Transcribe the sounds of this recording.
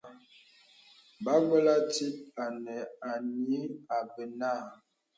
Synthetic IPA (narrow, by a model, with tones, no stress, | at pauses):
ba˦ɡə˦la˦ti˦t̚a˨nɛ˨a˨ni˨˦a˨bə˨na˦˨